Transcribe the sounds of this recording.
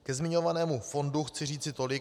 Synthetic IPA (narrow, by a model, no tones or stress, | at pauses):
kɛzmɪɲo̞vanɛːmufo̞nduxt͡sɪriːt͡sɪt̪o̞lɪk